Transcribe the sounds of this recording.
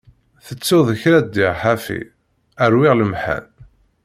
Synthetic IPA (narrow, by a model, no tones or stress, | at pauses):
θət͡sːuðəçɾæd̪ːiʁħafḭ | əɾwɪʁləmħæ̰n